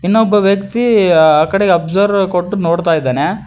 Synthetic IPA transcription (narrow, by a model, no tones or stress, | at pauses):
inːobːɐʋjɐkt̪iaːkɐɽeɡɐbzɐɾʋkoʈːunoːɽt̪aːjd̪ːaːne